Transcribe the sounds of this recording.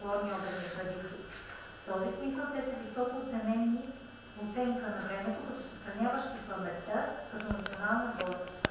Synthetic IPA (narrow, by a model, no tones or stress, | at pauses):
lˠɔɾniɔbɾsxɾɐd̪isi | ft̪ɔzismisəlˠt̪ɛsɐvisɔkot̪sɛnɛni | ot̪sɛŋkənɐbɾɛnɛt̪ʊkət̪osɛ̥st̪ɾɐnʲavəʃt̪ikəmbɛt̪əkɐt̪ɔnɐt̪sʲionalˠnəbɔ